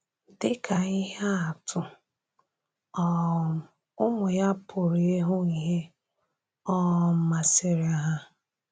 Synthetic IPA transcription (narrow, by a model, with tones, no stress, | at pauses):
dɪ˦kʰa˨i˦ɦa˦a˨tʰʊ˨ | ɔ˦˨ | ʊ˦mʊ˨ja˦pʰʊ˨ɾi˨e˦ɦʊ˦i˨ɦe˦ | ɔ˦˨m̩˦ma˨se˨ɾɪ˨a˨ɦa˦